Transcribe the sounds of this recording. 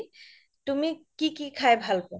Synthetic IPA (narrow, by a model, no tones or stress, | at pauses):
t̪umikikikʰaebʱalko